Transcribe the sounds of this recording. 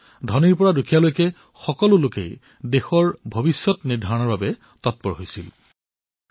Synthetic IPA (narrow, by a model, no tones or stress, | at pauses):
dʱɔniɹpɔɹadukʰijalojkɛ | xɔkɔlʊlokḛj | dexɔɹbʱobisjɔtniɹdʱaɹɔnɔɹbabɛ | tɔt̚pɔɹɦojsḭl